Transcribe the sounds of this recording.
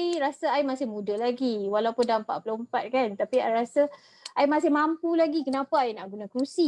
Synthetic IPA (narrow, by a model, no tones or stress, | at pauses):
iɾasaaimãsɪhmũdalaɡiwalawpʊndampa̰ʔpəlompat̪̚kant̪apia̰jɾasə | ʔaimãs̬ɪhmãmpulaɡikənapaainaʔɡunakɾusi